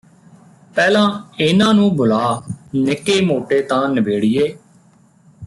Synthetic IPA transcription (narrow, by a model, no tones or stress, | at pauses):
pɛːlãːɪnãːnũːbʊlaːnɪkeːmoːʈeːt̪ãːnəbeːɽɪjeː